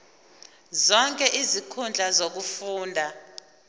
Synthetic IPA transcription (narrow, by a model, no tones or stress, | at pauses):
zɔŋkʼɛʔizikʰund͡ɮʱazok̬ufuːndʱa